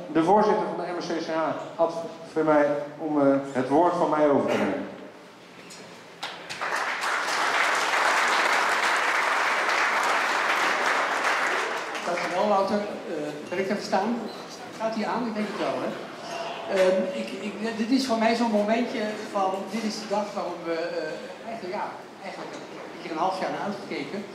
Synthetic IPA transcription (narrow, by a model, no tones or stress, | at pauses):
dəvoːɹzɪtəɹvɑndəɛmɛsesaːhɑtfomɛjɔmɦətʋoːɹtfɑnmɛjowvəɹtənemə | d̥ɑtɪsʋɛlˠʋawtərəʋɪnɪk̚təfəɹstaːn | χaːtɦiːaːnɪɡ̚dɛŋkətʋɛlˠɦɛ | əɪkɪkdɪtɪsfoːɹmɛjzoənmowmɛntjəvɑndɪtɪzdədɑχʋaːrɔpʋə | ɛjəjaː | ɛjχənlək | iərənɦɑlˠəfjaːɹnarœɥtχə̥kejkə